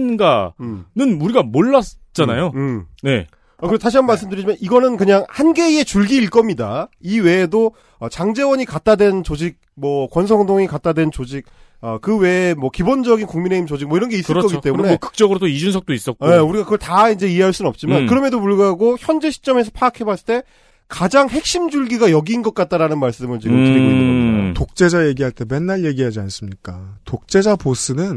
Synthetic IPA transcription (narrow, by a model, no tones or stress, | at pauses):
nɡanɯnuɾiɡamoɭːat͡ɕ͈anajoɯne̞̰ | ʌkɯɾet̬aɕ̬ʰianmaɭs͈ɯmdɯɾid͡ʑimaniɡʌnɯnkɯɲaŋhanɡe̞ie̞t͡ɕuɭɡiːɭk͈ʌmɲida̰iwe̞ːdo | ʌt͡ɕaŋd͡ʑe̞wʌɲikat̚t͈adwe̞nt͡ɕod͡ʑik̚mwʌkwʌnsʰʌŋdoŋikat͈̚adwe̞nt͡ɕod͡ʑik̚ | ʌkɯwe̞mwʌkibond͡ʑʌɡinkuŋmine̞imt͡ɕod͡ʑik̚mʌiɾʌnɡe̞isɭk͈ʌɡit͈e̞munekɯ̥k̚t͡ɕ͈ʌɡɯɾotoid͡ʑunsʰʌk̚t͈ois͈ʌk̚keuɾiɡakɯɡʌɭtaind͡ʑe̞ie̞ɦaɭs͈unɯnʌp̚t͡ɕ͈imankɯɾʌmjedopuɭɡaɦaɡoçjʌnd͡ʑe̞ɕʰi̥t͡ɕ͈ʌme̞s̬ʰʌpʰaːkʰe̞bast͈e̞ | kad͡ʑaŋhe̞k̚ɕ͈imd͡ʑuɭɡiɡajʌɡiːnɡʌk̚k͈at̚t͈aɾanɯnmaɭs͈ɯmɯnt͡ɕiɡɯmiɡiitok̚t͡ɕ͈e̞d͡ʑaje̞ɡiɦaɭt͈e̞me̞nːaɭje̞ɡiɦad͡ʑians͈ɯmɲik͈atok̚t͡ɕ͈e̞d͡ʑabos͈ɯnɯn